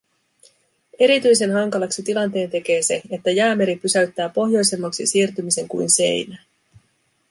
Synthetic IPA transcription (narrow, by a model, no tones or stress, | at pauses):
e̞ɾit̪yjse̞nɦɑŋkɑlɑksit̪ilɑnt̪e̞ːnt̪e̞k̟e̞ːse̞et̪ːæjæːme̞ɾipysæɥt̪ːæːpo̞ɦjo̞jse̞mːɑksisiːrt̪ymise̞ŋkṵjnse̞̰jnæ